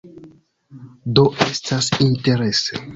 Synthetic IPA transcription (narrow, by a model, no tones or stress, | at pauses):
do̞ʔe̞stʰasinte̞ɾe̞se